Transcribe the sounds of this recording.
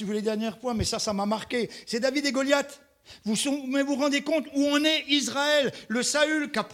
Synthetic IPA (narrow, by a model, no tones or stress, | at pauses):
sivuled̪ɛʁnjɛʁpwɛ̃mɛsasamamaʁkʲesɛd̪avid̪eɡɔljat̪ | vusɔ̃mɛvuʁɑ̃d̪ekɔ̃t̪uɔ̃nɛizʁaɛlːəsaylkap